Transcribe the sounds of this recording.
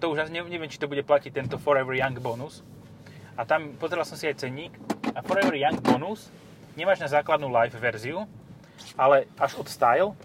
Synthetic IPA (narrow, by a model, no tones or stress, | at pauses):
t̪ɔuʒasiɲɛɲɛʋɪɛmt͡ʃit̪ɔbuɟɛplacic̚t̪ɛnt̪ɔfɔɾɛʋɛɾjaŋɡbɔnus | at̪ampɔzɛɾalˠsɔmsiajt͡sɛɲiːkafɔɾɛʋɛɾjaŋɡ̚bɔnus | ɲɛmaːʒnazaːklad̪nulajfʋɛɾziu | ʔalɛaʒɔt̪st̪ajl